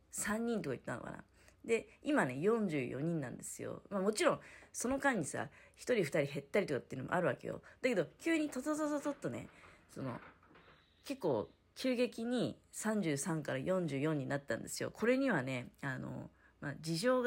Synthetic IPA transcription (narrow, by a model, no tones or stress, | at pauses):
sãɲ̟ːĩnt̪o̞kai̥̰t̪ːanoka̰na̰ | d̪e̞imane̞jõ̞ɲ̟d͡ʑɨːjo̞ɲ̟ĩnːã̰nd̪e̞sɨjo̰mamo̞t͡ɕiɾõ̞ŋ̃so̞no̞kãɲ̟ːisa̰çi̥t̪o̞ɾʲiɸɯ̟t̪aɾʲihe̞t̪ːaɾʲit̪o̞kat̪ːeiɯnomo̰ʔa̰ɾɯ̟βake̞jo̰d̪̥ake̞d̪o̞kʲɨːɲ̟it̪ot̪ot̪ot̪ot̪ot̪ːo̞ne̞̰so̞no̞̰ | ke̞kːo̞ː | kʲɨːɡe̞kʲiɲ̟isãɲ̟d͡ʑɨːsãŋkaɾajõ̞ɲ̟d͡ʑɨːjõ̞ɲ̟ːinat̪ːã̰nd̪e̞sɨjo̞̰kʰo̞ɾe̞ɲ̟iβaneano̞̰ | mad͡ʑiʑo̞ːɡ